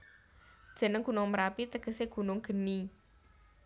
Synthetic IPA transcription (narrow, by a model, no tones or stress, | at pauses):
d̥ʒ̥ə̤nəŋɡ̥ṳnʊŋməɾapit̪əɡ̥ə̤seɡ̥ṳnʊŋɡ̥ə̤ni